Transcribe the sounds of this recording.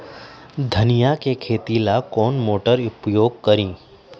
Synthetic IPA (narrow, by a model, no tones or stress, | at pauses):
d̪ʱənijakekʰeːt̪ilakɔːnmoːʈəɾʊpjoːɡ̚kəɾĩː